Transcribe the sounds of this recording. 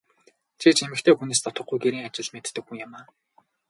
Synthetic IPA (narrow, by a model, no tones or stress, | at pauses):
t͡ɕʰit͡ɕemɘ̆xt̪ʰeːxuneːst̪ʰɔt̪ɞ̆χɡujɡeɾiːŋat͡ɕɪ̆ɮmet̪ːɘ̆k̚xuŋʊmaː